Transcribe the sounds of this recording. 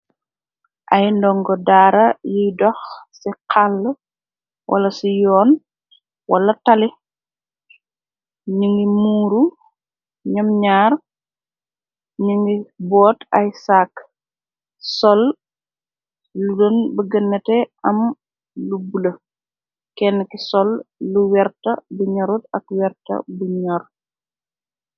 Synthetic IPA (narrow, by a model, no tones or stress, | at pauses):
ʔɐjndɔŋɡɔdaːɾɐjijdɔxsiqʰalː | wʔɐ̰lɐsijɔːn | wʔɐlɐtɐli | ɲuŋɡimuːɾu | ɲɔmɲaːr | ɲuŋɡibɔːtajsaːk | sɔl | ludɔnbəɡənːɐtɛʔɐm | lubulə | kɛnːkisɔlːuwɛrtɐbuɲɔɾutɐkwɛɾtɐ̰buɲɔɾ